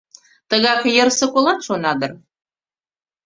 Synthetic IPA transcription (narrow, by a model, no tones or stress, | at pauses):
t̪ə̆ɣɑkjə̆rsɤ̆kolˠɑt̪ʃonɑd̪ə̆r